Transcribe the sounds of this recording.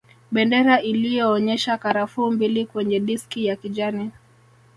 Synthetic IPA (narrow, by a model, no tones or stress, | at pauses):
ɓɛndɛɾaʔilijɔːɲɛʃakaɾafumbilikwɛɲɛɗiskijakiʄani